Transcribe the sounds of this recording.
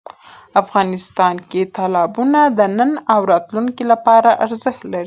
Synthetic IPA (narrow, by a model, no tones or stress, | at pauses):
afɣɑnɪst̪ɑnket̪ɑlɑbunad̪ənənawɾɑt̪luŋkilapɑɾaʔaɾzəxt̪laɾi